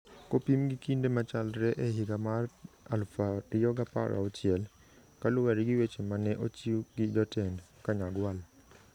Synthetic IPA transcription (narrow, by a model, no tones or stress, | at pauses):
kopimɡikindemat͡ʃalɾɛʔɛɦiɡamar | alfaɾɪjɔɡapa̰ɾa̰ot͡ʃɪɛl | kalʊwɛɾɡɪwet͡ʃemanɛʔot͡ʃiɡɪd͡ʒɔtɛndkaɲaɡwal